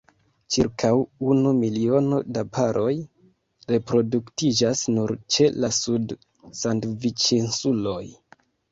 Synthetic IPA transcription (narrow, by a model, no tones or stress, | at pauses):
t͡ʃiɾkʰawunumilio̞no̞dapʰaɾʔo̞j | ɾe̞pɾo̞duktid͡ʒasnuɾt͡ʃe̞lasud | sandvit͡ʃensulo̞j